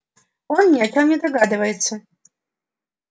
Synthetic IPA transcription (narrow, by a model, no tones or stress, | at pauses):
ɔnnʲiakʲawnʲɛd̪aɣad̪ɨvɐjɛt̪sːɐ